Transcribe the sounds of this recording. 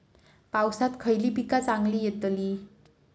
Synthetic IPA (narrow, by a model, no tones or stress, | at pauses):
pawsat̪kʰəjlipikat͡saŋlijet̪əli